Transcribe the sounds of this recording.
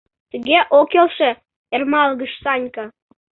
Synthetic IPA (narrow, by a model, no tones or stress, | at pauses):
t̪əɣeʔokelʃĕ | ermɑlɣəʃsɑnʲkɑ